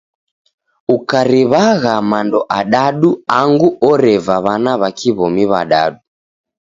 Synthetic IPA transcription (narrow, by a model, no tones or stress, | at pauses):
ukaɾiβaɣamandɔʔaɗaɗuaŋɡuʔɔɾɛvaβanaβakʰiβɔmiβa̰ɗa̰ɗu